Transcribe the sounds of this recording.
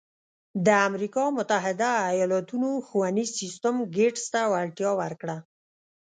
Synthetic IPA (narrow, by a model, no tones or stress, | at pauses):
d̪əamɾikɑmʊt̪aɦɪd̪aːjɑlɑt̪unoxuwanizsist̪əmɡeʈst̪awalʈjɑwəɾkɽa